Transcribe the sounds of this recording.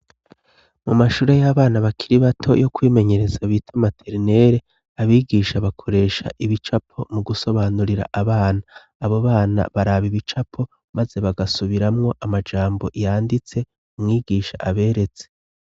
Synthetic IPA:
mumaʃuːɾe̞jaβaːnaβakʰiɾiβatʰo̞̰jʔo̞kwiːme̞ɲe̞ɾe̞zaβiːtʰamatʰeɾine̞ɾe̞ | aβiːɡiːʃaβakʰo̞ɾe̞ːʃa̰ʔiβit͡ʃapʰo̞muɡuso̞βaːnuɾiɾa̰ʔaβaːnaː | βoβaːna̰βaɾaβiβit͡ʃapʰo̞ | maze̞βaɡasuβiɾamŋo̞ʔamad͡ʒaːmbo̞̰ʔjaːndit͡se̞ | umŋiːɡiːʃaʔaβe̞ːɾe̞t͡se

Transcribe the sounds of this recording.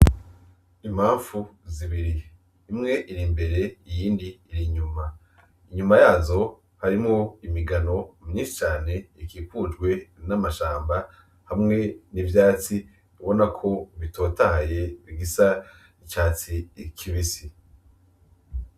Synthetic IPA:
imhaːɱfuziβiɾiː | mŋe̞ʔiɾimbe̞ɾe̞ijiːndiːɾiɲuma | iɲumajaːzo̞ | haɾimoimiɡano̞mɲiːnʃit͡ʃaːne̞ikiːpud͡ʒɡwe̞namaʃaːmba | hamŋe̞nivjaːt͡si | uβo̞nakʰo̞βitʰo̞ːtahaje̞βiɡisa | icaːt͡sikʰiβisi

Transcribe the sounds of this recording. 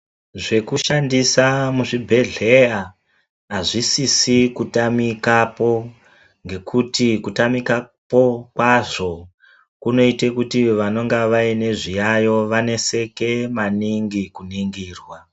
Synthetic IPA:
ʐe̞kuʃandisamuʐibʱe̞ɮe̞a | aʐisisikutamikapo̞ | ŋɡe̞kutikutamika | po̞kwaʐo̞ | kuno̞ite̞kutiʋano̞ŋɡaʋaine̞ʐijajo̞ʋane̞se̞ke̞maniŋɡikuniŋɡiːrwa

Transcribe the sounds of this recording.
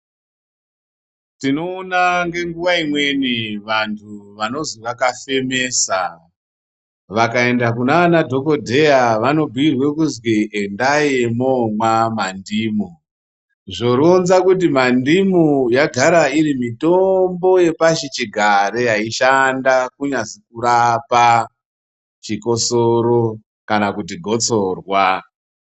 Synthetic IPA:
tino̞ːnaŋɡe̞ŋɡuʋaimwe̞niʋantʰuʋano̞ziʋakafe̞me̞ːsa | ʋakae̞ndakunaanadʱo̞ko̞dʱe̞jaʋano̞bʱuirwe̞kuzwiʔendajemomwamandimu | ʐoɾonzakut̬imandimujaɡʱaɾaiɾimitombo̞je̞paʃit͡ʃiɡʱaɾejaiʃandakuɲazikuɾapa | t͡ʃiko̞soɾo | kanakutiɡʱo̞t͡so̞rwa

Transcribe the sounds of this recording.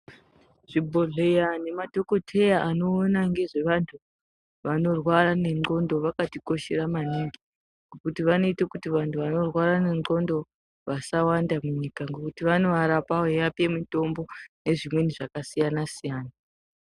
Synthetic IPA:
ʐ̥ibʱo̞ɮe̞jane̞madʱo̞ko̞tʰe̞jaano̞ːnaŋɡe̞ʐe̞ʋantʰu | ʋano̞rwaɾane̞ŋ͡ǃo̞ndo̞ʋakatiko̞ʃeɾamaniŋɡe | ŋɡokutiʋano̞itakutiʋantʰuʋano̞rwaɾane̞ŋ͡ǃo̞ndo̞ | ʋasawandamuɲikaŋɡo̞kutiʋano̞ʋaɾapaɦejape̞muto̞mbo̞ne̞ʐimwe̞niʐakasijanasijaːna

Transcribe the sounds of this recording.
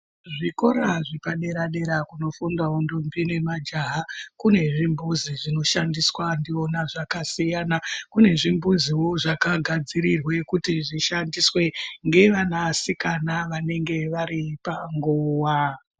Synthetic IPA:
ʐiko̞ɾaʐipaɗe̞ɾaɗe̞ɾakuno̞fundaundombine̞mad͡ʒaɦakune̞ʐimbuziʐino̞ʃandiswandio̞naʐakasijanakune̞ʐimbuziwo̞ʐakaɡʱad͡ziɾirwe̞kutiʐiʃandiswe̞ŋɡe̞ʋanasikanaʋane̞ŋɡe̞ʋaɾipaŋɡoːwa

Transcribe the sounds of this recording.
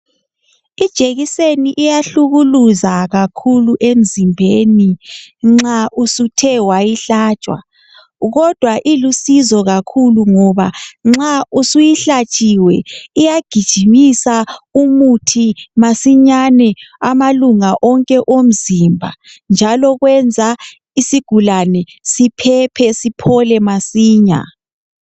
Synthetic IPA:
id̥ʒ̥ʼʱeɣiseniʔijaɬuɣuluzaɣakʰuluʔem̩zimbʱeniŋ͡ǁaʔusutʰɛwajiɬaːt͡ʃʼwa̰ | ɣɔd̥ʱwaʔilusizɔɣakʰuluŋɔβaŋ͡ǁausujiɬat͡ʃʼiwɛijaɡ̥ʱid̥ʒ̥ʱimisaumutʰimasiɲanɛamaluŋaʔɔŋkʼɛʔom̩zimbʱa̰nd͡ʒʱalɔɣwɛnd͡zʱa | isiɡ̥ʱulanɛ | sipʰɛpʰɛsipʰɔlɛmasiːɲa̰

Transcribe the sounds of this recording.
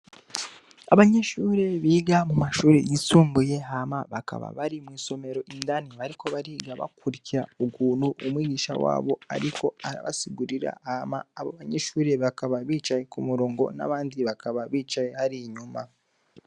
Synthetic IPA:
aβaɲe̞ʃuːɾe̞βiːɡamumaʃuːɾḛjisuːmbuje̞ɦamaβaka̰βa̰βaɾimwiːso̞me̞ɾo̞ʔindaniβaɾiko̞βaɾiɡaβa̰kuɾiciɾauɡuːnhuʔːmwiːɡiːʃa̰wa̰ːβo̞a̰ɾikʰo̞aɾa̰βa̰siɡuɾiɾa̰hamaːβoβaɲeʃuːɾe̞βakaβaβiːt͡ʃaje̞kumuɾoːŋɡo̞̰na̰βaːndiβakaβaβiːt͡ʃajehaɾiɲuma̰

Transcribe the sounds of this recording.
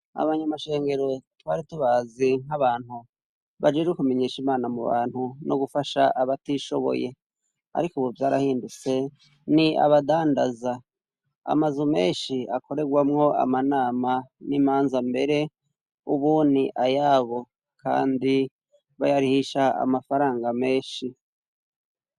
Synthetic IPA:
a̰βaɲamaʃe̞ːŋɡe̞ɾo̞twaːɾituβaziŋ̥haβaːn̥u | βad͡ʒed͡ʒekume̞ɲeːʃimaːnamuβa̰ːn̥hunʔoɡufaʃaʔaβatiʃo̞βo̰je̞ | a̰ɾikoβovjaːɾahiːndut͡se̞ | nia̰βadaːndaza | a̰mazume̞̰ːnʃiako̞ɾe̞ɡwamŋo̞ʔa̰manaːmaniːmaːnzambe̞ɾe̞ | uβuniʔajaːβo̞ | kʰa̰ːndi | βajaɾihiʃaa̰mafaɾaːŋɡameːʃi

